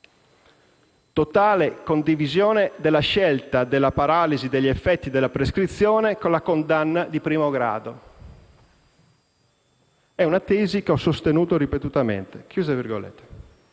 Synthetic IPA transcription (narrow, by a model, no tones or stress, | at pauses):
t̪ot̪aːlekond̪ivizjɔːned̪elːaʃɛlt̪ad̪elːapaɾaːlizid̪eʎːefːɛt̪ːid̪elːapɾeskɾit̪sːjɔːnekolakond̪anːad̪ipɾiːmoɡɾa̰ːd̪o | ɛunat̪ɛːzikeɔsːost̪enuːt̪oɾipet̪ut̪amḛnt̪ek̟juːzavirɡo̰lḛt̪ːe̥